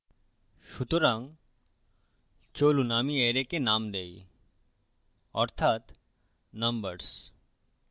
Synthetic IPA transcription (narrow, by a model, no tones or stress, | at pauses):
ʃut̪oɾaŋ | t͡ɕolunamieɾekenamd̪ej | ɔɾt̪ʰat̪ | nɐmbəɾs